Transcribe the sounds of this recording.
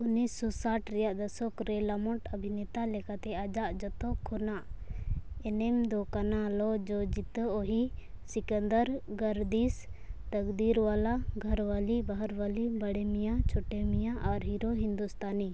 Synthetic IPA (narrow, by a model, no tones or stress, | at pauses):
unissɔsaʈɾɛjaʔd̪əsɔkɾɛlamɔʈəbʱinɛt̪alɛkat̪ɛad͡ʒaʔd͡ʒɔt̪ɔkʰɔnaʔ | ɛnɛmd̪ɔkanalɔd͡ʒɔd͡ʒit̪əoɦisikənd̪əɾɡəɾd̪ist̪əkd̪iɾwalaɡʱəɾwalibaɦəɾwalibəɽɛmijat͡ʃʰɔʈɛmijaʔaɾɦiɾoɦind̪ust̪ʰani